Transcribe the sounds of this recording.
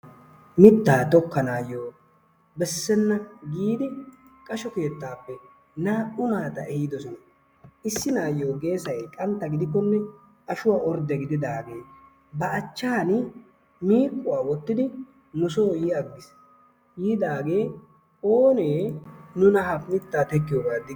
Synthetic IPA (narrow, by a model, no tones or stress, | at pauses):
mɪt̪ːaːt̪ɔkːɐnaːjoː | bɛsːɛnːɐɡiːd̪ɪ | kʼɐʃɔke̞ːt̪ːaːpːɛ | naːʔʊnaːt̪ɐɛhɪd̪ɔsɔnɐ | ɪsːɪnaːjoːɡe̞ːsɐjkʼɐnt̪ːɐɡɪd̪ɪkːɔnːɛ | ɐʃʊwaːʔɔɾd̪ɛɡɪd̪ɪd̪aːɡe̞ː | bɐːt͡ʃːaːn | miːkʼːʊwaːwɔt̪ːɪd̪ɪ | nʊsoːjiɐɡːɪs | jiːd̪aːɡe̞ː | oːne̞ːnʊnɐhɐpnɪt̪ːaːt̪ɛkːɪjoːɡaːd̪ɪ